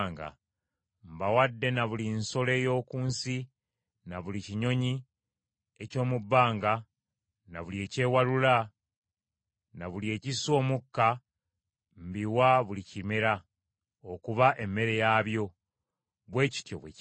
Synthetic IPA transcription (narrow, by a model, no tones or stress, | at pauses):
ŋɡa̰ | mbawadːe̞naβulinso̞le̞ːjo̞ːkuːnsi | naβuliciɲo̞ɲi | eco̞ːmubːaːŋɡa | na̰βulie̞ːce̞ːwalula | naβulie̞ːciso̞ːmukːa | mbiwaβulicimeɾa | okuβaʔe̞mːe̞ɾe̞jaːβjo̞ | βwe̞ːci̥tjo̞̰βwḛ